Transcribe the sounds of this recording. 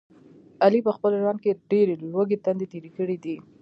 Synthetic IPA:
alipəxpəlʒwand̪̚keɖeɾelwəɡet̪and̪et̪eɾikəɽid̪i

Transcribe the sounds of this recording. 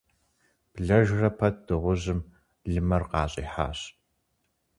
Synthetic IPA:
b̥ɮɐʒrɐpʰɐt̚ʰd̥ɨʁʷʊʑɨm | ɮɨmɐrqɑːɕʼḭːħa̰ːɕ

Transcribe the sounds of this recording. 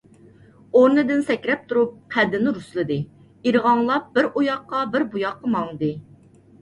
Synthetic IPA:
oɾnɨd̪ɪnsɛkʲɾɛp̚t̪ʰuɾup̚χæd̪ːɪnɪɾuslˠɨd̪ɨ | iɾʁɑŋlˠɑp̚b̥ɪɾojɑqːɑbɪɾbujɑqːɑmɑŋd̪ɨ

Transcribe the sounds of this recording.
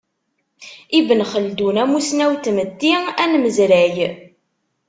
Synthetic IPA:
ivənχəld̪unæmusnæwt̪ːməd̪ːiænməzɾæj

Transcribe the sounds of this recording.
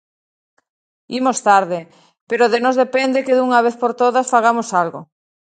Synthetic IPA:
imost̪aɾðɪ | peɾoðenozðepend̪ekeðuŋaβ̞eθpoɾt̪oðasfaɣ̞amosalɣo̰

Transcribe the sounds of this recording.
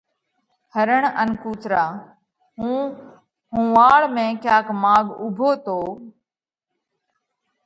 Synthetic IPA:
həɾəɳənkuːt̪ɾaː | ɦũː | ɦũːʋaːɭmẽːkjaːkmaːɠʊbʱoːt̪oː

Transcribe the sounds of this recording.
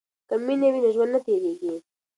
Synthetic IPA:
kamːinewinaʒwand̪nat̪eɾeɡi

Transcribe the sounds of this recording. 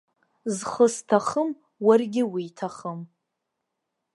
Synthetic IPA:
zχəstʰaχəm | warɡʲɪwiːtʰaχəm

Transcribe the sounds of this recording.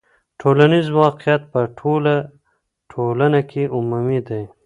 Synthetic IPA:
ʈʰolanizwɑqijat̪̚pəʈʰola | ʈʰolanakʰeʔʊmumid̪aj

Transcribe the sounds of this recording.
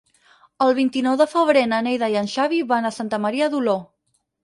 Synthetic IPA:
əlˠβ̞int̪inɔwðəfəβ̞ɾenənejðajənʃaβiβanəsant̪əməɾiəðulo

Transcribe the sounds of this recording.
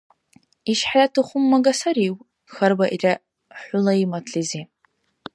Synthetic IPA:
iʃħaratʰɨχʷʊmːaɡasaɾiw | xɐrbaʔirʲa | ħʷʊlaimatʰɬizi

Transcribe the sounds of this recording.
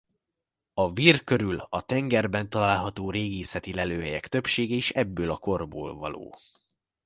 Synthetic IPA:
ɒviːrkø̞ɾylɒt̪ɛŋɡɛrbɛnt̪ɒlaːlɦɒt̪oːɾeːɡiːsɛt̪ilɛløːɦɛjɛkt̪ø̞pʃeːɡɛiʃɛbːøːlɒko̞rbo̰ːlvɒ̰lo̰ː

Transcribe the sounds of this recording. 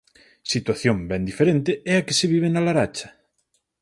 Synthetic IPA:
sit̪waθjombɛnd̪ifeɾent̪ɪɛakɪseβiβ̞enalaɾat͡ʃɐ̥

